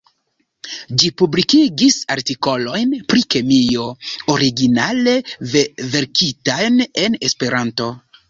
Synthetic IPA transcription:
d͡ʒipublikiɡisaɾtiko̞lo̞jnpɾike̞mio̞oɾiɡinale̞veve̞ɾkʰitajne̞nespe̞ɾanto̞

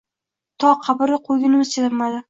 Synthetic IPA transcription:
t̪ʰɒqʰɑbɪɾɪqʰoɡʲɪnɪmɪz̥t͡ʃʰat̪amad̪ɪ

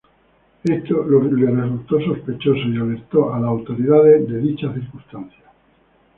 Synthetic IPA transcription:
e̞st̪ololeresult̪o̞so̞spe̞t͡ʃo̞soiale̞ɾt̪oʔalaːwt̪o̞ɾiðaðeðe̞ðit͡ʃaθiɾkust̪anθja

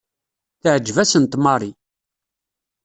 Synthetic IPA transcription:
θəʕəd͡ʒːvæsənt̪mɑrˤi

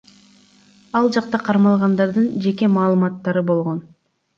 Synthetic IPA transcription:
ɑlˠd͡ʒɑqt̪ɑqʰɑɾmɑlˠʁɑnd̪ɑɾd̪ɯnd͡ʒe̞ke̞mɑːlˠɯmɑt̪ːɑɾɯbo̞lˠʁo̞n

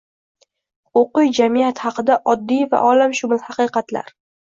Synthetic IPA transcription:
oqɨjd͡ʒamijat̪hɑqɨd̪aʔɒd̪ːijva̰ʔɒlamʃʊmɪlˠhɑqɨjqɑt̪la̰ɾ

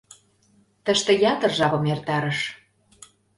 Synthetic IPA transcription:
t̪əʃt̪ə̆jɑt̪ə̆rʒɑβɤ̆mert̪ɑɾəʃ

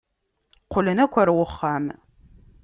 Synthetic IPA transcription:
qʰʷʊlənækʷʰaɾwʊχːam

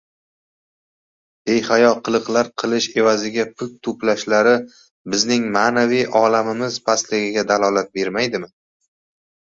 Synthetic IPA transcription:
b̥e̞jhajɒqʰɨlˠɨqlˠaɾqʰɨlˠɪʃe̞vazɪɡʲapʰʊt̪̚t̪ʰʊplaʃlaɾɪ | bɪznɪŋmaːnavijʔɒlamɪmɪzpʰaslɪɡʲɪɡʲad̪alˠɒlat̪̚be̞ɾmajd̪ɪmɪ

